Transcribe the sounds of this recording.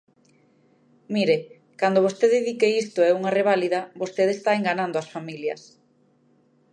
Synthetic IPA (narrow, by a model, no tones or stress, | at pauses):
miɾe | kand̪oβ̞ost̪eðeðikeist̪oɛuŋareβ̞aliðɐbost̪eðest̪aeŋɡanand̪oasfamiljɐ̰s